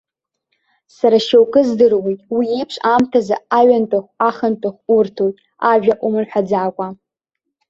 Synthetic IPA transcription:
saɾaʃowkʼɨzdɨrwejtʼwiepʰʂʷʼamtʰazaaɥantʼaχʷaχantʼoχʷurtʰojtʼ | aʒᶣaʔʷʼʊmɨnħʷᶣad͡zaːkʷʼa

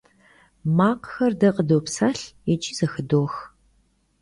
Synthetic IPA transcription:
maːqxɐrdɐqʼədoːpsaːɬɛt͡ʃʼiːzɐxɨdoːx

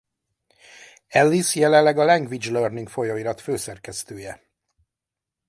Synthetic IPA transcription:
ɛlːisjɛlɛlːɛɡɒlɛŋɡʋid͡ʒlørniŋkfo̞joiɾɒt̪føːsɛrkɛst̪øːjɛ

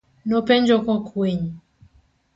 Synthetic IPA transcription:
nɔpɛɲd͡ʒɔkɔkʰwɛɲi

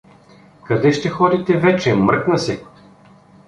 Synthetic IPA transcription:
kɐd̪ɛʃt̪ɛxɔd̪it̪ɛvɛt͡ʃɛmɾknɐsɛ

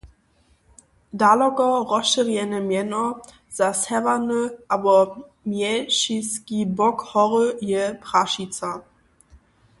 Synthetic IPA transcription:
dalɔkɐʁɔʃəʁjɛnəmɛnɔ | zasɛvanəʔabɔ | mjɛʃiskibɔkhɔʁəjɛpʁ̥aʃit͡sa

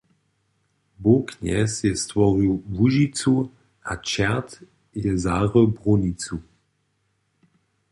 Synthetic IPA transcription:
bokɲɛ̰sjɛst̪vɔʁiwvuʒit͡su | ʔa̰t͡ʃɛt̪ | jɛzaːʁəbʁonit͡su

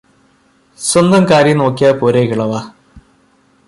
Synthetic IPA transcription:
swɐnd̪ɐmkaːɾjɐno̞ːkːijaːpoːɾekiɭɐʋa

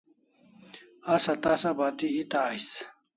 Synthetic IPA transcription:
asat̪asabat̪iit̪aːjs

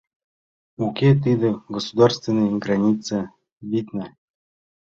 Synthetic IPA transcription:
ukʲet̪̬ɨd̪ɤ̆ɡosud̪arst̪vʲɪnːəjɡranʲit̪t͡sə | vʲit̪nə

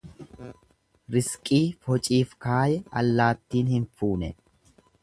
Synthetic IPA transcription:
ɾɪskʼiːfɔt͡ʃʼiːfkaːjɛɐlːaːt̪ːiːnhɪnfuːnɛ

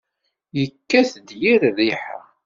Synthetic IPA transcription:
jəkːæθd̪jiɾriħa̰

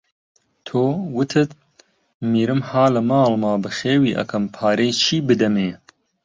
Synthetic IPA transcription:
t̪ʰoːwɨt̪ʰɨt̪ | miːɾɨmhaːlɨmɑːlmɑːbɨxeːwiːʔɐ̰kʰɐmpʰaːɾeːjt͡ʃʰiːbɨd̪ɐmeː

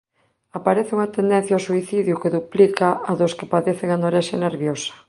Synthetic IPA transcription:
apaɾeθeuŋat̪end̪ẽn̟θjawsuiθiðjukeðuplikaʔaðoskepaðeθeŋanoɾeʃeneɾβjosḁ

